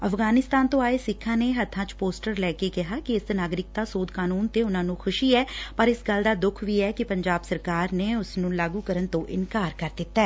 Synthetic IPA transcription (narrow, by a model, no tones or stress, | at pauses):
əfɡaːnɪst̪aːnt̪õːaːeːsɪkʰːãːneːɦət̪ʰːãːt͡ʃpoːsʈəɾlɛːkekɪɦaːkiɪsnaːɡɾɪk̚d̪aːsoːd̪kaːnuːnt̪eːʊnãːnũːkʰʊʃiːɛːpəɾɪsɡəld̪aːd̪ʊkʰʋiːɛːkipəɲd͡ʒaːbsəɾkaːɾneːʊsnũːlaːɡuːkəɾənt̪õːʔɪnkaːɾkəɾd̪ɪt̪ːaɛː